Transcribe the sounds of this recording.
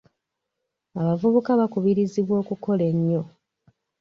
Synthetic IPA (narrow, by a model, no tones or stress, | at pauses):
aβavuβukaβakuβiɾiziβwo̞ːkuko̞le̞ɲːo̞